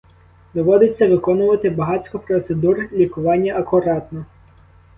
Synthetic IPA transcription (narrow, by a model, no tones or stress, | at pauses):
d̪ɔʋɔd̪ɪt͡sʲːɐʋɪkɔnʊʋɐt̪ɪbɐɦɑt͡sʲkɔpɾɔt̪sed̪urlʲikʊʋɑnʲːɐʔɐkʊɾɑt̪nɔ